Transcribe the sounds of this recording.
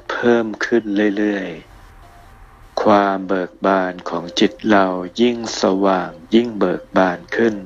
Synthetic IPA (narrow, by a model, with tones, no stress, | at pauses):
pʰɤː˥˩mkʰɯ˥˩nlɯ˥˩˨jlɯ˥˩əj | kʰwaː˧mbɤː˨˩k̚baː˧nkʰɔː˩˦ŋt͡ɕi˨˩t̪̚la˧wji˥˩ŋsa˧waː˨˩ŋji˥˩ŋbɤː˨˩k̚baː˧nkʰɯ˥˩n